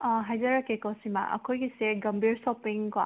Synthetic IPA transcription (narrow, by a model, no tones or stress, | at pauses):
ɔɦajzɐɾakekɔsima̰ʔɐ̰kʰojɡiseɡɐmbiɾsɔpiŋka̰